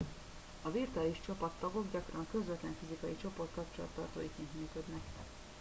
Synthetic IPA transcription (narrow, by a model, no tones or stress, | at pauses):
ɒvirt̪aːliʃt͡ʃɒpɒt̪ːɒɡo̞ɡɟɒkrɒŋkø̞zʋɛt̪lɛɱfizikɒjit͡ʃo̞po̞rt̪kɒpt͡ʃolɒ̰t̪ːɒrt̪o̰ːjikiːnt̪myːkød̪nɛk